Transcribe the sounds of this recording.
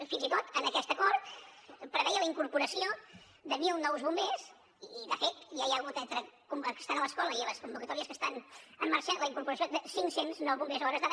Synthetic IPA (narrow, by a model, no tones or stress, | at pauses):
finzit̪ot̪ənəkɛst̪əkɔɾt̪pɾəβɛjələiŋkuɾpuɾəsio | d̪əmilˠnɔwzβumbes | iːðəfet̪jaialɣut̪ent̪ɾəkumkə̥st̪anələskɔləiləskumbukət̪ɔɾiəskəst̪anəmːəɾʃanləiŋkuɾpuɾəsiod̪əsiŋsenznɔwβumbezɔɾəzðəβ